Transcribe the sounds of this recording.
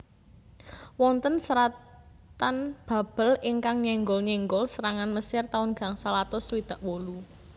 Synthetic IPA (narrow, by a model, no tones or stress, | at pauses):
wɔnt̪ənsəɾa | t̪anb̥a̤b̥ə̤lɪŋkaŋɲɛŋɡɔlɲɛŋɡɔlsəɾaŋanməsɪrt̪aʊnɡ̥a̤ŋsalat̪ɔswid̪̥a̤ʔwolu